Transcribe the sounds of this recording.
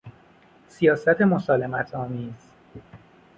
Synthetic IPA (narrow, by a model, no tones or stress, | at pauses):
sijɒːsæt̪ʰe̞mosɒːle̞mæt̪ʰɒːmiːz̥